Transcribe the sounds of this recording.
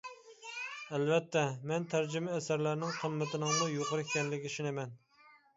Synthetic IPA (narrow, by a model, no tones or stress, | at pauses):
ælvɛt̪ʰːɛmɛnt̪ʰæɾd͡ʒymɛːsæɾlæɾnɪŋqʰəmːɪt̪ʰɪnɪŋmujoqəɾɪkʲʰːɛnlɪkʲiʃinɪmɛn